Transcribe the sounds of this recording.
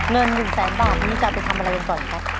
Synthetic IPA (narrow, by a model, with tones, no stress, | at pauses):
ŋɤ˧nːɯ˨˩ŋsɛː˩˦nbaː˨˩t̚niː˦˥t͡ɕa˨˩pa˧jt̪ʰmʔa˧ɾa˧jʔa˧nkɔː˨˩na˦˥kʰa˦˥